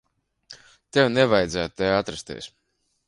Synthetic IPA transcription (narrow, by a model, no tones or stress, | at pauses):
t̪ewnevajd̪zæːt̪̚t̪ejat̪ɾast̪ḭɛs